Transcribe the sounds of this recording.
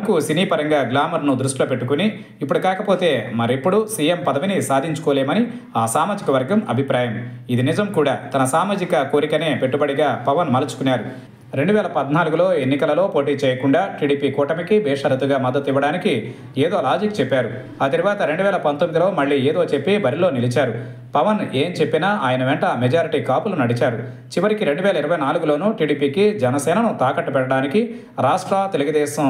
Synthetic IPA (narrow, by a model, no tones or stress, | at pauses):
ɐkusiniːpɐɾɐŋɡaːɡlaːmɐɾnud̪ɾuʂʈloːpe̞ʈːukuniː | pːuɽukaːkɐpo̞ːt̪e̞ːmɐɾipːuɽusiːjempɐd̪ɐʋinisaːd̪ʱiɲt͡ʃu̥kɔːleːmɐni | aːsaːmaːd͡ʒikɐʋɐɾɡɐmɐ̰bʱipɾaːjɐmid̪inizɐmkuːɽaːt̪ɐnɐsaːmaːd͡ʒikɐko̞ːɾikɐne̞ːpe̞ʈːubɐɽiɡaːpɐʋɐnmɐlɐt͡ʃu̥kunːaːɾu | ɾe̞ɳɖuʋɛːlɐpɐd̪naːluɡulo̞ːe̞nːikɐlɐlo̞ːpo̞ːʈiːt͡ʃɛːjɐkuɳɖaːʈiːɽiːpiːkuːʈɐmikibɛːʂɐɾɐt̪ːuɡaːmɐd̪ːɐt̪iʋːɐɽaːniki | eːd̪o̞ːlaːd͡ʒikt͡ʃepːaːɾu | ɐːt̪ɐɾiʋaːt̪ɐɾe̞ɳɖuʋɛːlɐpɐnt̪omid̪ilo̞ːmɐɭːiːeːd̪o̞ːt͡ʃe̞pːibɐɾiloːnilit͡ʃaːɾu | pɐʋɐneːmt͡ʃe̞pːinaːʔaːjɐnɐʋɛɳʈɐmed͡ʒaːɾiʈiːkaːpulunɐɽit͡ʃaːɾu | t͡ʃiʋɐɾikiɾe̞ɳɖuʋɛːlɐiɾɐʋɐjnaːluɡulo̞ːnuʈiːɽiːpiːkid͡ʒɛnɐsɛːnɐnut̪aːkɐʈːupɛʈːɐɽaːniki | ɾaːʂʈɾɐt̪e̞luɡud̪ɛːʃɐm